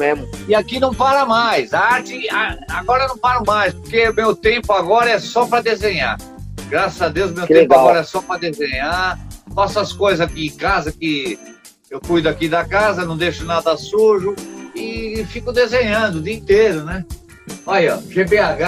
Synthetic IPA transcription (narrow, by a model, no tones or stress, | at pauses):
memʊɪakinɐ̃w̃paɾɐmajsaɾt͡ʃɪaaɡɔɾɐnɐ̃w̃paɾʊmajspoɾkeʊmewt̪ẽmpʊaɡɔɾɐɛsɔpɾɐd̪ezẽɲa̰ɾ | ɡɾasɐzad̪ewzmewẽẽpʊaɡɔɾɐɛsɔpɾɐd̪ezẽɲaɾfasʊɐskojzakiẽkazɐkɪ | ewkujd̪ʊakid̪ɐkazɐnɐ̃w̃d̪ejʃʊnad̪asuɾʒʊɪfikʊd̪ezẽɲɐ̃d̪ʊd̪iĩt̪eɾʊnɛ | ɔjɔʒebeaɡa